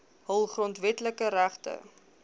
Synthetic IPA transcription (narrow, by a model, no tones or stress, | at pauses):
ɦəlˠχrɔntvɛtləkəɾæχtə̰